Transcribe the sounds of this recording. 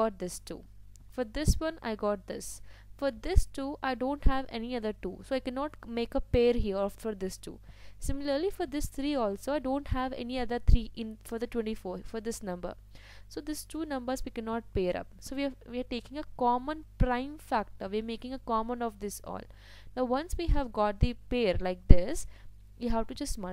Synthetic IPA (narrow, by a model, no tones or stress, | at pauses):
ɔːʈ̚d̪ɪsʈṵː | fɔɾd̪ɪsʋʌ̃na̰ɪɡɔːʈ̚d̪ɪsfɔɾd̪ɪsʈuːʔaɪɖõːɳʈhæʋɛ̰niʌd̪əɾʈṵːsoːaɪkɛnɔːʈmeːkəpeːəɾɦiəɾfɔɾd̪ɪsʈṵːsɪ̃mɪləɾlifɔɾd̪ɪst̪ʰɾiːɔːlsoːaɪɖõːɳʈhæʋɛ̰niʌd̪əɾt̪ʰɾiːʔɪ̃nfɔɾd̪əʈwɛ̃ɳʈifoːɾfɔɾd̪ɪsnʌ̃mbə̰ɾ | soːd̪ɪsʈuːnʌ̃mbəɾzʋiːkɛnɔːʈ̚peːɾʌ̰p̚soːʋiʋiəɾʈeːkɪ̃ŋəkɔːmə̃npɾãɪ̃mfæk̚ʈəɾʋiəɾmeːkɪ̃ŋəkɔːmə̃nɔʋd̪ɪsɔ̰ːl | naʊʋʌ̃nsʋiːɦæʋɡɔːʈ̚d̪ipeːəɾlaɪk̚d̪ɪs | juɦæʋʈud͡ʒʌsʈmʌ̃